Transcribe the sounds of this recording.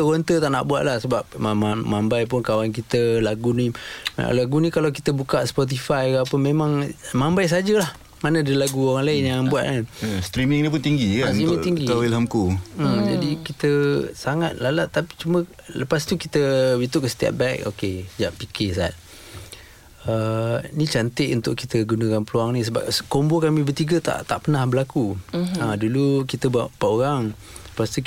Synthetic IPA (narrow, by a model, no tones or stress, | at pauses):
t̪əwɔnt̪ət̪aʔna̰ʔbua̰ʔ̪̚lahsəbap̚amamambajp̬ʊnkawank̬it̪əlaɡunim̰a̰laɡunikalawkit̪əbukaʔspɔt̪̬ifajkaapəmemaŋmambajs̬ad͡ʒəlah | manədailaɡuoɾaŋlaɪnjaŋbuaʔ̪̚kanst̪ɾimiŋnip̬ʊnt̪iŋɡikaimiŋt̪iŋɡiawilɦamkud͡ʒa̰dikit̪əsaŋat̪̚lalaʔt̪api̥t͡ʃumə̃ | ləpast̪ukit̪əwit̪ʊʔkəsə̥t̪ia̰t̪̚bɛk̚o̰kesəd͡ʒaʔpikesa̰t̪̚ | ənit͡ʃant̪ɪʔunt̪ʊʔkit̪əɡunakanpəluaŋnĩs̬əba̰pskombokamĩbərt̪iɡat̪a̰ʔt̪aʔpənahbəlakuadulukit̪əbaʔpaʔoɾaŋ | ləpast̪u